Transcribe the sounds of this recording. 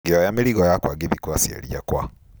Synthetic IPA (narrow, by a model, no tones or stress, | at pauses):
ɡejajameɾiɣajakwaːɡeβikwasiḛɾijakwa̰